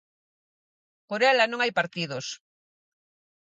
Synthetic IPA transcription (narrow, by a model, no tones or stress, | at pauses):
poɾɛlanõŋajpaɾt̪iðos